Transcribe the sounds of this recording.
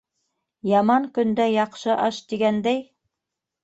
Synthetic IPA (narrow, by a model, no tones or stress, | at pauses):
jɑmɑŋkɵ̆nd̪æjɑqʃɤʔɑʃt̪iɡænd̪æj